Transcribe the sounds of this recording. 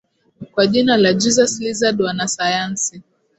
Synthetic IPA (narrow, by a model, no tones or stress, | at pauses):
kwaʄinalad͡ʒizaslizadwanasajansi